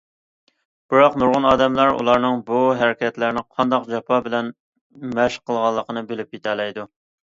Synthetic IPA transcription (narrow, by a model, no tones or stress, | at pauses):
b̥ɪɾɑqnuɾʁʊnɑːd̪ɛmlˠɑɾṵlˠɑɾnɨŋbuɦæɾɪkʲʰɛt̪læɾnɪqʰɑnd̪ɑqd͡ʒɑpʰɑbɪlɛn | mæʃqʰəlˠʁɑlˠːəqʰənɨbelɪp̚jet̪ʰɛlɛjd̪u